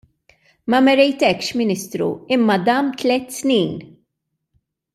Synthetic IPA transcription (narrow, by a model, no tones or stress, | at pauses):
mɐmɛɾɛjt̪ɛkʃmɪnɪst̪ɾṵɪmːɐd̪ɐmt̪lɛt̪ːsniːn